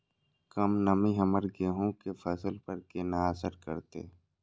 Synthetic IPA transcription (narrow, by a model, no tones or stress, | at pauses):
kɐmnɐmĩɦɐməɾɡeɦõkefʰɐsəlpəɾkenaasəɾkə̰ɾt̪ḛ